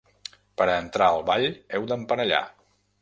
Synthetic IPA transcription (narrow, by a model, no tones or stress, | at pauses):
pəɾəːnt̪ɾaəlˠβaʎɛwd̪əmpənəʎa̰